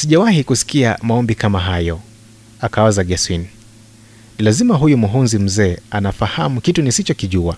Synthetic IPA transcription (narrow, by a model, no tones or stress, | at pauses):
siʄawahikusi̥kiamaɔmbikamaɦajɔ | akaazaɠɛswini | nilazimaɦujumuɦunzim̩zɛːanafahamukitunisit͡ʃɔkiʄua